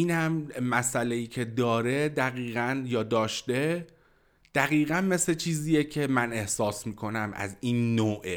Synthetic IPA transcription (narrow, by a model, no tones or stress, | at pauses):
iːnhæmːæsælejiːcʰe̞d̪ɒːɾe̞d̪æɣiːɣænjɒːd̪ɒːʃt̪e̞ | d̪̥æɣiːɣænme̞slet͡ʃʰiːziːjecʰe̞mæne̞hsɒːsmiːkʰo̞næmæ̰ziːnːoːʔe